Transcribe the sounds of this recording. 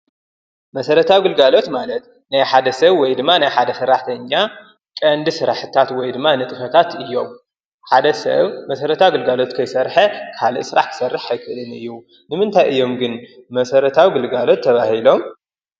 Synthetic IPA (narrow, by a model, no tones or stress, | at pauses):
mɐsɐɾɐt̪ʰawɡɨlɡalo̞t̪malɐt̪ | najħad̪ɐsɐβwɔjd̪ɨmːanajħad̪ɐsɨɾːaħt̪ʰɐɲːa | kʼɐnd̪ɨsɨɾaħɨt̪ʰat̪wɔjd̪ɨmːanɨt̪ʼɨfɐt̪ʰat̪ɨjːo̞m | ħad̪ɐsɐ̰βmɐsɐɾɐt̪ʰawɡɨlɡalo̞t̪kʰɐjsɐɾħɐkʰalḭʔsɨɾa̰ħkʰɨ̥sɐrːɨħːajkʰɨʔlɨnɨ̰jːu | nɨmɨnt̪ʰajʔɨjːo̞mɡɨnmɐsɐɾɐt̪ʰawiɡɨlɡalo̞t̪ʰːɐβahilo̞m